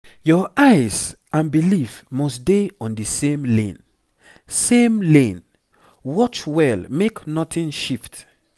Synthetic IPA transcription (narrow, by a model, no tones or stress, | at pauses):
jɔʔaɪz | ãnbilifmɔsdeɔ̃ndisẽmlḛ̃n | sẽmlẽn | wɔt͡ʃwɛlmeknɔtʰĩnʃift